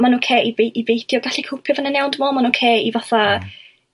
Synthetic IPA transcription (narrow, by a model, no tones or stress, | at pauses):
manukʰeːʔivejʔivejdjɔɡaɬikʰʊlˠpʰjɔvənənɛwndəmɔmanukʰeːivaθa